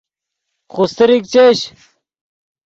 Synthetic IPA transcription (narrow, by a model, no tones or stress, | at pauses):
xust̪eɾik̚t͡ɕeɕ